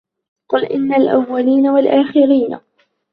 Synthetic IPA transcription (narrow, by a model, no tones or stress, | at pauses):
qʊlʔɪnːalʔa̰wːaliːnawalʔaːxɪɾiːna̰